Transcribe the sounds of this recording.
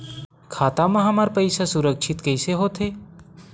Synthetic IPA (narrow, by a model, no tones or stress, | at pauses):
kʰaːt̪amɐ̃ɦɐmaɾpɐɪsasʊɾəkʃʰɪt̪kəɪseɦoːt̪ʰeː